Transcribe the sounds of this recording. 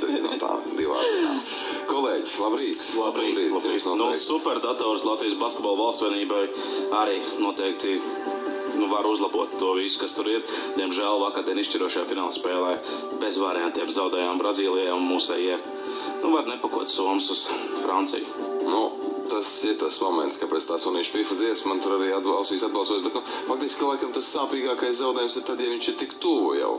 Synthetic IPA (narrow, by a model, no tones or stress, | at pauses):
t̪ɛina̰t̪a̰ːd̪iʋa̰ːzina̰ː | kɔlˠeːɟslˠabɾiːt̪lˠabɾiiːlˠaiːsnusupɛɾd̪at̪ɔːɾslˠat̪viːjsbaskʲet̪bɔːlˠvalˠst̪sʋiɛniːbaj | aɾiː | nuɔt̪ɛːk̚t̪i | nuvaɾuzlˠabuɔt̪ːuɔvisʊ̥kast̪uɾiɾd̪̥iɛmʒæːlˠvakaɾd̪ʲiɛniʃt͡ʃiɾuɔʃajaːfinaːlˠspɛːlˠɛj | bɛzʋaːɾɛjant̪iɛmzawd̪ɛːjammbɾaziːlˠijaːunmuːsɛ̰jɛɛ | nuvaɾnɛpakuɔt̪suɔmsusfɾant̪sḭjʊnut̪asiɾt̪asmɔmɛ̰nskapɛt̪st̪aːsuniːʃpifaziɛsmant̪uɾaɾiːad̪̚bawsiːsad̪̚bɑlˠsɔjsbɛt̪nufak̚t̪iskʲilˠajkamt̪asːaːpiːɡaːkajszawd̪ɛːjumsiɾt̪ad̪javiɲt͡ʃiɾt̪ikt̪uuja̰w